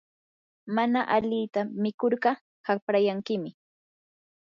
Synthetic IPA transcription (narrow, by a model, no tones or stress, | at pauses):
manaʔaʎɪt̪amɪkoɾɢɑ | hapɾajaŋkɪmɪ